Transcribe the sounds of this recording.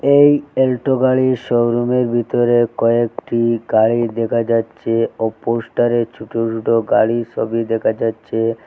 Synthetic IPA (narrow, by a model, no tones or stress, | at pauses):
ejelʈoɡaɭiʃowɾumeɾbʱit̪oɾekɔekʈiɡaɭid̪ekʰad͡ʑatːɕʰeoposʈaɾet͡ɕʰuʈʰot͡ʃʰuʈoɡaɭiʃʰɔbid̪ɛkʰad͡ʑatːɕʰe